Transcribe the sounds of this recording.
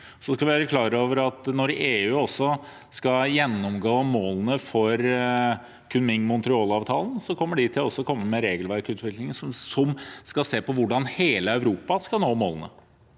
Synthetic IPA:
sɔskɑʋɪʋæːɾəkʰlɑːɾəoːʋəɾɑt̪nɔɾeːʉːɔsːɔ | skɑjɛnːɔmɡoːmoːlənəfɔɾ | kʰʉnmɪŋmʊnt̪ɾɪɔːlɑːʋt̪ʰɑːlnsɔkʰɔmːəɖɪt̪ʰɪlɔsːɔkʰɔmːəmɛɾeːɡəlʋæɾkʉːt̪ʰʋɪklɪŋəssɔmskɑseːpɔʋʊɖɑnheːləæʉɾuːpɑskɑnoːmo̰ːlənə̰

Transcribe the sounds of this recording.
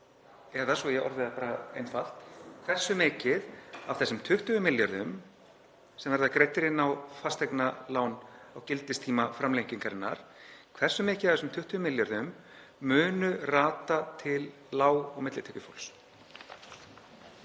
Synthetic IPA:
ɛðasvɔjɛɣɔ̰ɾðɪðapaːɾaejnfal̥t̪kʰvɛr̥sʏmɪːcɪðavθɛsːʏmt̪ʰʏht̪ʏʏmɪljɔɾðʏm | sɛmvɛɾðakɾeːjt̪ɪɾɪnawfast̪ɛjknalaːwnawcɪlt̪ɪst̪ʰiːmafɾamlejɲciŋkaɾɪnːa̰ɾ̥kʰvɛr̥sːʏmɪːcɪðafθɛsʏmt̪ʰʏht̪ʏʏmɪljɔɾðʏmː | ʏːnʏraːt̪at̪ʰɪlːaːwɔɣmɪt̪lɪt̪ɛkʏfo̰wls

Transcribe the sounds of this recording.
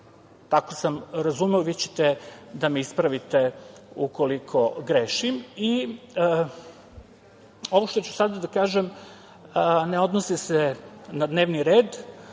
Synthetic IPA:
t̪akosamɾazumeoʋit͡ɕe̥t̪ed̪ameispɾaʋit̪e | uko̞likʰo̞ɡɾeʃimi | o̞ʋoʃt̪ot͡ɕu̥sad̪ad̪akaːʒem | neo̞d̪nosisenad̪ne̞ːʋniɾeːd̪

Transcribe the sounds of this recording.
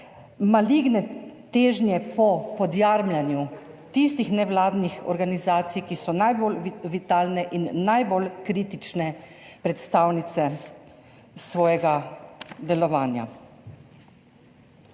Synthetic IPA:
maliɡnɛt̪eːʒnjɛpɔpɔd̪jaɾmlanju | t̪ist̪ixnɛʋlaːd̪nixɔ̰ɾɡanizaːt̪sijkisɔnajbolʋit̪aːlnɛʔinːajbolkɾiːt̪it͡ʃnɛ | pɾɛt̪st̪aːwnit̪sɛ | sʋɔːjɛɡad̪ɛlɔʋaːnja̰

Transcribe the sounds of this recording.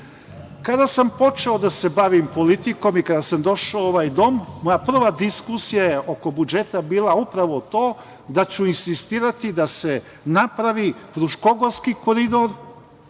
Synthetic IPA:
kad̪asampo̞t͡ʃe̞od̪ase̞baʋimpo̞lit̪iko̞mikad̪asamd̪o̞ʃaooʋajd̪o̞mːo̞japr̩ʋad̪iskusijajeʔo̞ko̞bud͡ʒe̞t̪abiːlˠaupɾaʋo̞t̪oː | d̪at͡ɕuinsist̪iːɾat̪id̪ase̞ | napɾaʋifɾuʃko̞ɡo̞ɾskikoɾid̪o̞ɾ

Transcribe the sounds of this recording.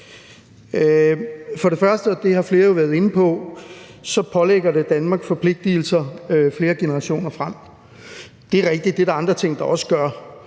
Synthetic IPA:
fɒ̽ɾe̝fɶɐsd̥əɒd̥e̝hɑ̈fle̝ːɐjo̝ʋæːɐðˠe̝nəpʰɒ̽ | sɒ̽pʰɒ̽leɡ̥ɐɾe̝d̥ænmɑ̈ːɡ̥sfɒ̽pʰle̝ɡ̥̚d̥il̩sɐfle̝ːɐɡ̥e̝nəɐʁɑ̈ɕo̝̰ːnɐfʁam̰ | d̥e̝æɐʁɛɡ̥̚d̥id̥̚ːe̝ɾ̥ɑ̈ɑ̈nd̥ʁɐt͡sʰe̝ŋ̰d̥ɑ̈ɒ̽sə̥ɡ̥ɶɐ

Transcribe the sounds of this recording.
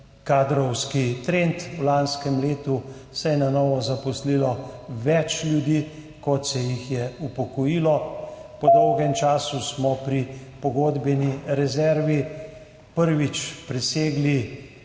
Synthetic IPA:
kaːd̪ɾɔwskit̪ɾent̪wlanskɛmleːt̪usɛjɛnanɔːʋɔzapɔslilɔʋɛt͡ʃlʲjud̪iː | kɔt̪sɛjixjɛupɔkɔjilɔpɔd̪ɔwɡɛmt͡ʃaːsusmɔpɾipɔɡoːd̪bɛniɾɛzɛɾʋi | pəɾʋit͡ʃpɾɛseːɡli

